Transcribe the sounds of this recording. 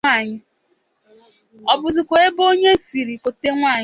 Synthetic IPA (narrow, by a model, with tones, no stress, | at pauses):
a˦˨ɲɪ˦ | ɔ˨bʊ˨zi˨kʷo˨e˦bo˦ɲe˦si˨ɾi˨ko˨te˦ŋʷa˦˨ɲ